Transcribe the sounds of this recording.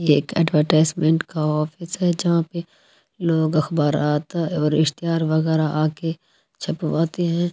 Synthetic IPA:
eːkɛ̰ːɖʋəɾʈaːɪzmẽɳʈkaɦɔːfʰɪsɦɛd͡ʒɐɦãpe | loːɡɐxbaːɾaːt̪ɦɛɔːɾɪʃt̪ɪɦaːɾʋɐɣɛːɾaʔaːke | t͡ʃʰɐpʋaːt̪eɦɛ̃ː

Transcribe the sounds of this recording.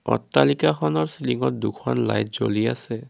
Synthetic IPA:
ɔ̰tːalikaxʰɔnɔɹsiliŋɔt̚dukʰɔnla̰jt̚zoliasɛ

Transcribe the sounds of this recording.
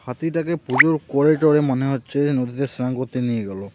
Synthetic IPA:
hat̪itakɛpuzuɹkɔɹeʈɔɹɛmanɛɦɔt͡ʃenod̪ʱitɛsnaŋkɔt̪iniɡalɔ

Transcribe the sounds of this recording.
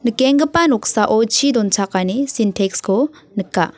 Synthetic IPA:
nɯkeŋɡɯpanɔksaʔɔt͡ʃʰid̪ɔnt͡ʃʰakanisintʰekskɔ | nɯkːa

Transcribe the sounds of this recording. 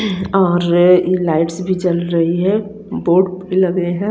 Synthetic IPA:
ɔːɾjelaːɪʈsbʱit͡ʃɐlɾɐɦiɦɛ̃ | boːɖbʱilɐɡeɦɛ̃

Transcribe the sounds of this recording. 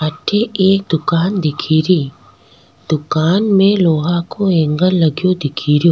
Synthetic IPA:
aːʈʰeeːk̚d̪ʊkaːnd̪ɪkʰiːɾiː | d̪̥ʊkaːnmẽloːɦakoẽːŋɡəllɐɡijod̪ɪkʰiːɾijoː

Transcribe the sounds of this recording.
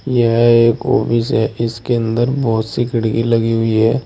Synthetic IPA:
jɐɦeːko̰ːpisɦɛɪskeə̃nd̪əɾbɔːt̪sikɪɽ̤kilɐɡiɦʊiɦɛː

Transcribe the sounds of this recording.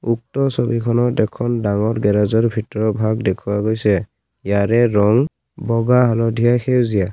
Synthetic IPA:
uk̚tɔsɔbikʰɔnɔtɛkʰɔndaŋɔɹɡɛɾazɔɹbʱitɔɹɔbʱaɡdɛkʰuwaɡojsɛ | jaɹɛɹɔŋ | bɔɡaɦalɔdʱijaxewzija

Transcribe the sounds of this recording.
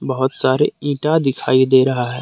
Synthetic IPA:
bɐɦʊt̪saːɾeĩːʈad̪ɪkʰaːid̪eːɾɐɦaɦɛ̰ː

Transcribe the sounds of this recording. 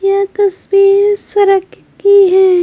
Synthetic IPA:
jaːt̪ɐsbiːɾsɐɾək | kiɦɛː

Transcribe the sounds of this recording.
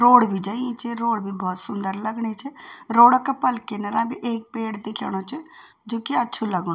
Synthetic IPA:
ɾoːɽbʱiːd͡ʒaːiẽt͡ʃeɾoːɽbʱiːbɔːt̪sʊnd̪əɾləɡɳ̃eːt͡ʃɛɾoːɽəkəpəlkenəɾãːbiːʔeːk̚peːɽd̪ekʰja̰ːɽ̃õːt͡ʃə | d͡ʒoːkeətːʃʰuləɡo

